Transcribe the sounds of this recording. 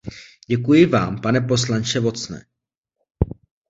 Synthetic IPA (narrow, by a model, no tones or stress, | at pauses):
ɟɛkujɪvaːmpanɛpo̞s̬lant͡ʃɛvo̞t͡snɛ̰ː